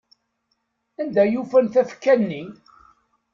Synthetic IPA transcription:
ænd̪æjufænθæfkːænːi

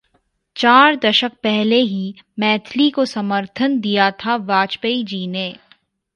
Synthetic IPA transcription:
t͡ʃaːɾd̪ɐʃək̚pɛɦleɦi | mɛːt̪ʰlikosɐməɾt̪ʰənd̪ijat̪ʰaʋaːt͡ʃpəid͡ʒiːne

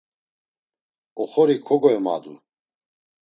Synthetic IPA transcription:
ɔχɔɾikʰɔɡɔɛma̰d̪ṵ

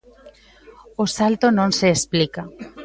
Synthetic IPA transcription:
osalt̪onõŋseːsplika

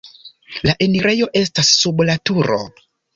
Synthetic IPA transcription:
laʔeniɾe̞jo̞ʔe̞stasːublatuɾo̰

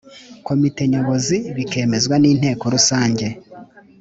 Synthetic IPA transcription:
ko̞mite̞ɲo̞βo̞ziβike̞ːme̞zɡwaniːn̥e̞ːko̞ɾusaːɲɟe̞

